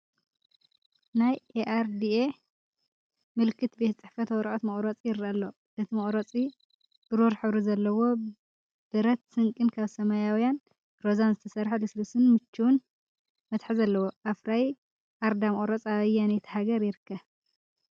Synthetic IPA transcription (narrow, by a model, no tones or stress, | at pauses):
najeʔaɾd̪ie | mɨlkʰːɨt̪bet̪t͡sʼɨħfɐt̪wɔɾʔot̪mɐχʼɾot͡sʼijɪɾɐlːo̞ | ɨt̪ʰimɐχʼɾot͡sʼi | b̥ɨɾoɾħɨβɾizɐlːɐwo̞ | b̥ɨɾɐt̪sɨŋkʼɨnkʰaβsɐmajawjan | ɾozanzɨt̪ʰɐsɐɾħalɨslusɨnmɨt͡ʃːuwun | mɐt̪ħizɐlːɐwoʔafɾaj | ʔaɾd̪amɐχʼɾot͡sʼaβɐjanɛt̪ʰihaɡɐɾjɪɾɨkːɐβ